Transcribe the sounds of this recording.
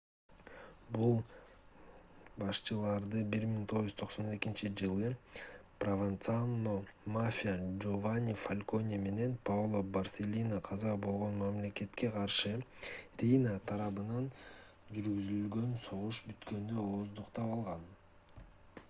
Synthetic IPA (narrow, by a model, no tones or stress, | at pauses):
bulˠ | bɑʃt͡ʃɯlˠɑɾd̪ɯbiɾmiŋt̪ʰo̞ʁuʒyt̪ʰo̞qso̞ne̞kint͡ʃid͡ʒɯlˠɯprovant̪sanːomafʲijad͡ʒovanʲifalʲko̞nʲime̞ne̞npʰavlˠobɐrsʲe̞lʲinaqʰɑzɑbo̞lˠʁo̞nmamle̞ke̞t̪ke̞qʰɑɾʃɯrʲinat̪ʰɑɾɑβɯnɑn | d͡ʒyɾɡyzylɡø̞nso̞ʁuʃbyt̪kø̞nd̪øoːzd̪uqt̪ɑpɑlˠʁɑn